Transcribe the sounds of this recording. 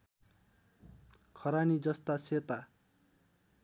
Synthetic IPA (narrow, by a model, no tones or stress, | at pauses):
kʰʌɾanid͡zʌst̪aset̪a